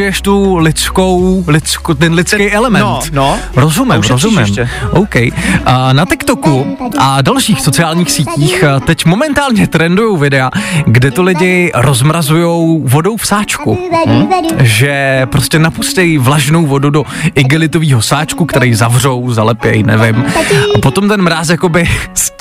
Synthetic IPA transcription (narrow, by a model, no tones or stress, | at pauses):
ɪjɛʃt̪ulɪt͡sko̞wlɪt͡skut̪ɛnlɪt̪t͡skejʔɛlɛmɛnt̪nɾozumɪmozumɪ̰mɛʔowkɛjʔnat̪ɪkt̪o̞kuʔadalʃiːxfsot͡sɪaːlɲiːxsiːciːxt̪ɛcmo̞mɛnt̪aːlɲɛt̪ɾɛndujowvɪdɛaɡdɛt̪olɪɟɪɾozmɾazujo̞wvo̞do̞wfsaːt͡ʃku | ʒɛpɾo̞scʲɛnapustɛjvlaʒno̞wvo̞dudo̞ | ʔɪɡɪlɪt̪o̞viːɦo̞saːt͡ʃkukt̪ɛɾɛjzavr̝o̞wzalɛpjɛjnɛ̰vɪmʔapo̞t̪o̞mt̪ɛnmɾas̬jako̞bɪs